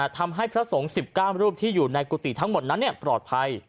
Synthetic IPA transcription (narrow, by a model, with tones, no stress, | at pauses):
t̪ʰa˧mɦa˥˩jpʰɾa˦˥so˩˦ŋsi˨˩p̚kaː˥˩wɾuː˥˩p̚t̪ʰiː˥˩juː˨˩na˧jkuː˧t̪i˨˩t̪ʰa˦˥ŋmo˨˩t̪̚na˦˥nːi˥˩əpɾɔː˨˩t̪̚pʰa˧j